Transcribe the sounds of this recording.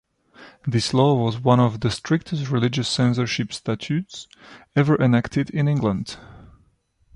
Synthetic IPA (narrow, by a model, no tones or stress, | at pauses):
ðɪslɔwʌzwʌ̃nɔvðəstʰɹ̥ɪk̚tʰəstɹɪlɪd͡ʒɨsɛ̃ns̬ə˞ʃɪpstat͡ʃʰʉts | ɛvə˞ʔɨnæktʰɨdɪ̃nɪ̃ŋɡlə̃nd̥